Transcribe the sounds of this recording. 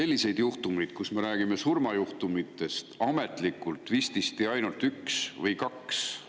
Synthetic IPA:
se̞lːise̞jd̪̥juht̪umijd̪̥̚kusme̞ɾæːɡ̥ime̞surmɑjuht̪umit̪ːˑe̞st̪ɑme̞t̪ˑlikːˑult̪ːˑvist̪ist̪iɑjnult̪yksvɤjkɑks

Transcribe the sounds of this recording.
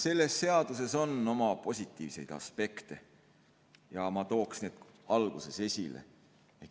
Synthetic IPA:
se̞lːe̞sːe̞ɑd̪̥use̞so̞no̞mɑpo̞sʲit̪ːˑiːvse̞jd̪̥ɑ̰spe̞kt̪e̞ | jɑmɑt̪o̞ːksne̞ːd̪̥ | ɑlɡ̥use̞se̞sʲilḛ | e

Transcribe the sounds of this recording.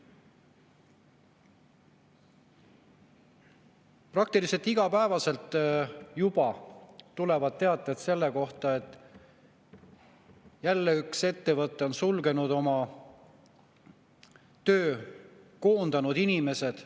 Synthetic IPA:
prɑk̚t̪ilise̞lt̪iɡ̥ɑpæevɑse̞lt̪jubɑt̪ule̞vɑd̪̥̚t̪ːe̞ɑt̪ːˑed̪se̞lːe̞ko̞ht̪ɑe̞t̪ːˑ | jælːeykse̞t̪ːe̞vɤt̪ːˑeo̞nsulɡe̞nud̪̥o̞mɑ | t̪ø̞ːko̞ːnd̪ɑnud̪̥inime̞se̞d̪̥

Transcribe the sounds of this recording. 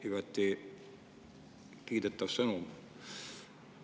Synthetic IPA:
yvæt̪ːi | kiːd̪et̪ːˑɑvsɤnum

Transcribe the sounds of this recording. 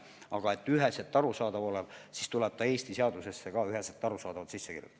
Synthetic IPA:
ɑɡ̥ɑe̞t̪ːˑyɦeset̪ːɑɾusɑːd̪ɑvo̞lev̥sist̪ulɛb̥̚t̪ɑe̞ːst̪iseɑd̪use̞sːe̞kɑyɦeset̪ːɑɾusɑːd̪ɑvɑt̪sisːekḭrjṵt̪ːˑ

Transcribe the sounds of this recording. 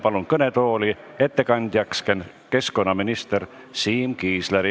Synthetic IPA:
pɑlunkɤnet̪oːli | e̞t̪ːekɑnʲd̪̥ʲjɑksken | ke̞sko̞nːɑminist̪eɾ | siːmkiːsleɾi

